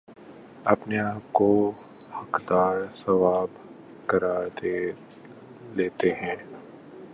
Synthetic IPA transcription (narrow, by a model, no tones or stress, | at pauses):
ɐpneaːp̚ko | hɐkd̪aːɾsɐʋaːb | kɐɾaɾd̪eː | leːt̪eɦɛ̃ː